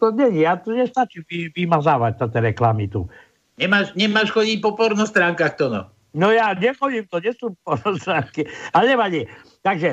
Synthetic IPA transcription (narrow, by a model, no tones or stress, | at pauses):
t̪ɔɲɛɲiat̪ɔɲɛst̪at͡ʃimʋiʋimazaːʋac̚t̪at̪ɛɾɛklamit̪ṵ | ɲɛmaːʃɲɛmaːʃxɔɟicpɔpɔɾnɔst̪ɾaːŋkaxt̪ɔnɔ̰ | nɔjaːɲɛxɔɟimt̪ɔɲɛsupɔɾnɔst̪ɾaːŋkiaɲɛmaɲɛ | t̪aɡʒɛ